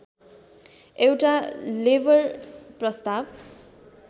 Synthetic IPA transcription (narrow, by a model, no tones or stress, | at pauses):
ewʈalebʌrprʌst̪ab